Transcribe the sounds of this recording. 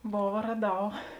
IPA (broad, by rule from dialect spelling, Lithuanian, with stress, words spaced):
ˈboːʋɐ rɐˈdɐʊ